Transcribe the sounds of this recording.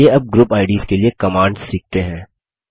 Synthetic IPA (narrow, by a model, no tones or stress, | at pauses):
eɐb̚ɡɾupaːɪɖiːskeliekɐmaːɳɖz̥siːk̚ʰt̪eɦɛ̃ː